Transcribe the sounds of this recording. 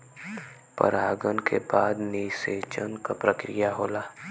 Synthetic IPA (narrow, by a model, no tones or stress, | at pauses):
pɐ̰ɾaːɡənkʰebaːd̪niseːt͡ʃənkapɾəkɾijaɦoːlaː